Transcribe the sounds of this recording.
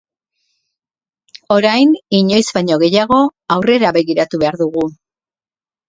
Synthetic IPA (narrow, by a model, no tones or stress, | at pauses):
o̞ɾajniɲo̞jzbajɲo̞ɣ̞e̞jaɣ̞o̞awre̞ɾaβe̞ɣiɾat̪uβe̞aɾðuɣu